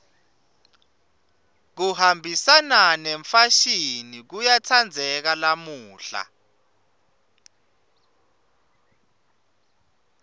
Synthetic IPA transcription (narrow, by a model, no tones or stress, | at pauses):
k̬uhambʱisananɛɱfaʃinik̬ujatʰand͡zʱɛk̬alamuːɬa̰